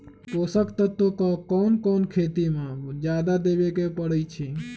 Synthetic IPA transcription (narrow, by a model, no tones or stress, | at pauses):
koːsəkt̪ət̪ːokɔkɔːnkɔːnkʰet̪imãd͡ʒjad̪ad̪ebekepəɽəjt͡ʃʰi